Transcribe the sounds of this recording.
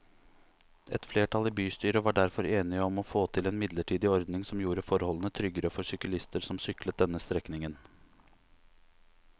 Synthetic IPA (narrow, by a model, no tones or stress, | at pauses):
ɛt̪fleːʈʰɑlɪbyːst̪yːɾəʋɑːɖæɾfɔɾeːnɪəɔmɔfoːt̪ʰɪlɛeːnmɪd̪ləʈʰiːd̪ɪɔɾd̪nɪŋsɔmjuːɾəfɔɾhɔlənət̪ʰɾʏɡəɾəfɔʂʏkəlɪst̪əɾsɔmsʏklət̪̚d̪ɛnːəst̪ɾɛknɪŋən